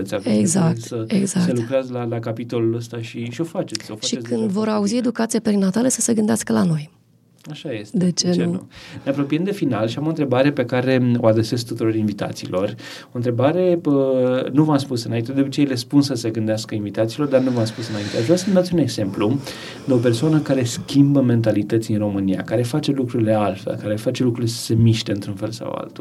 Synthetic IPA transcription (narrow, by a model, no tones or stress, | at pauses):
t̪sʲapeɡzakt̪səeɡzaselukɾeazlalakapit̪o̞luləst̪aʃiʃio̞fat͡ʃe̞t̪ʲofaʃieskɨnd̪vo̞ɾauzie̞d̪ukat̪sijapɾinːat̪aləsəse̞ɡɨnd̪easkəlano̞j | aʃajest̪d̪et͡ʃeununeapɾo̞piemd̪e̞finalʃiamont̪ɾe̞baɾe̞pe̞kaɾe̞o̞̰ad̪ɾese̞sk̚t̪ut̪uɾo̞ɾinvit̪a̰t̪sḭːlo̞r | o̞int̪ɾe̞baɾe̞ənuvəamspusɨnaint̪ed̪upət͡ʃejelespunsəseɡɨnd̪easkəinvit̪at̪silo̞rd̪arnuvəamspusɨnaint̪eaʒvɾasəmd̪at̪sʲune̞ɡze̞mplu | d̪eo̞p̬ersoanəkaɾeskʲimbəme̞nt̪alit̪ət̪siinro̞mɨnija̰kaɾe̞fat͡ʃe̞lukɾuɾile̞alfelkaɾe̞fat͡ʃe̞lukɾuilesə̥se̞miʃt̪e̞ɨnt̪ɾunfe̞lsa̰wa̰lt̪ul